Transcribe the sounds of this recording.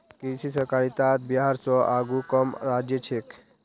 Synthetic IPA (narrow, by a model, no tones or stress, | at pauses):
kisisəɾkaːɾit̪aːt̪̚biɦaɾsɔʔaːɡukəmɾaːd͡ʒjət͡ʃʰek